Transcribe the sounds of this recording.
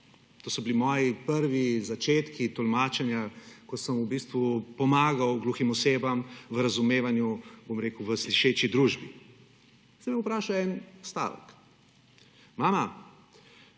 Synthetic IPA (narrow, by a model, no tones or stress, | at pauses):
t̪oːsɔbilimɔːjipəɾʋizat͡ʃeːt̪kit̪ɔlmaːt͡ʃɛnjakɔsəmubist̪ʋupɔmaːɡawɡluximɔseːbamʋəɾɐzumeːʋanjubomɾeːkwʋəsliʃeːt͡ʃid̪ɾuʒbi | sɛbɛupɾaːʃawɛnɔst̪a̰ːʋə̰k | maːma